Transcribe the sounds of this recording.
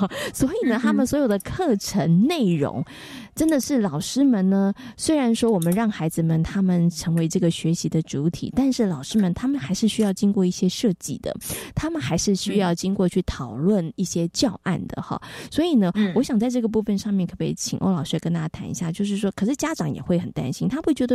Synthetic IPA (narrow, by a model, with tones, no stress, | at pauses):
swɔ˧˥i˨˩nə˦t̪ʰa˥mə˨nswɔ˧˥jo˨˩d̪ə˩kʰɤ˥˩ʈ͡ʂʰə˧˥nne˥˩ɪɻʊ̰˧˥ŋ | ʈ͡ʂə˥nd̪ə˨ʂɻ̩˥˩lɑ˨˩ʊʂɻ̩˥mə˨nnə˦swe˥ɪɻa˧˥nʂwɔ˥wɔ˨˩mə˦nɻɑ˥˩ŋxa˧˥ɪd͡zɹ̩˨mə˨nt̪ʰa˥mə˨nʈ͡ʂʰɤ˧˥ŋwe˧˥ɪʈ͡ʂɤ˥˩ɡə˩ɕɥɛ˧˥ɕi˧˥d̪ə˨ʈ͡ʂu˧˥t̪ʰḭ˨˩t̪a˥˧nʂɻ̩˥˩lɑ˨˩ʊʂɻ̩˥mə˨nt̪ʰa˥mə˨nxa˧˥ɪʂɻ̩˥˩ɕy˥jɑ˥˩ʊt͡ɕi˥ŋkwɔ˥˧i˥˩ɕjɛ˥ʂɤ˥˧t͡ɕḭ˥˩d̪̥ə̰˩t̪ʰa˥mə˨nxa˧˥ɪʂɻ̩˥˩ɕy˥jɑ˥˩ʊt͡ɕi˥ŋkwɔ˥˧t͡ɕʰy˥˩t̪ʰɑ˨˩ʊlwə˥˩ni˥˩ɕjɛ˥t͡ɕjɑ˥˧ʊʔa̰˥˩nd̪ə̰˩xɑ̰˥˩swɔ˧˥i˨˩nə˦wɔ˧˥ɕjɑ˨˩ŋt͡sa˥˧ɪʈ͡ʂɤ˥˩ɡə˩p̬u˥˩fə˨nʂɑ˥˧ŋmjɛ˥˩nkʰɤ˥˩pḛ˥˩ɪt͡ɕʰḭ˨˩ŋʔo̰˥ʊlɑ˨˩ʊʂ̩˥ɛ˧kə˥nt̪a˥˩t͡ɕja˥t̪ʰa̰˧˥nḭ˧ɕja˥˩t͡ɕjo˥˧ʊʂ̬ɻ̩˥˩ʂwɔ˥kʰɤ˨˩ʂɻ̩˥˩t͡ɕja˥ʈ͡ʂɑ˧˥ŋjɛ̰˨˩xwe˥˩ɪxə˨˩nt̪a̰˥nɕi˥nt̪ʰa˥pu˥˩t͡ɕɥɛ˧˥d̪ə˧